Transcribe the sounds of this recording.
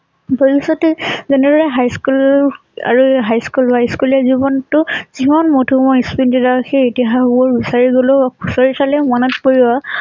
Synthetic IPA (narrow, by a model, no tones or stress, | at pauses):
bɔɹisɔtɛzɛnɛdɔɹɛɦajskul | a̰ɹuɦajskulbajskulazibɔntʊzimanmotʰumɔjispindidaxʰeetiɦabɔɹbisaɹiɡolɔbakʰusɔɹitʰalɛmɔnɔtkoɹia